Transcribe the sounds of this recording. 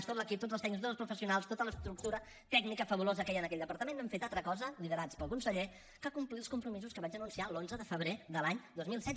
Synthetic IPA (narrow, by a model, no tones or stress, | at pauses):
st̪ot̪ləkip̚t̪odd͡zəlsɛɡnis̬t̪ozəlˠspɾufəsiunalˠst̪ot̪ələst̪ɾuk̚t̪uɾə | t̪ɛɡnikəfəβulozəkɛjənəkɛʎʲd̪əpəɾt̪əmenːɛmfet̪alˠt̪ɾəkɔzəliðəɾat͡spəlˠkunsəʎe | kakumplit̪ˠskumpɾumizuskəβad͡ʒənunsialonzəðəfəβɾeðəlaɲd̪ozmilˠsɛ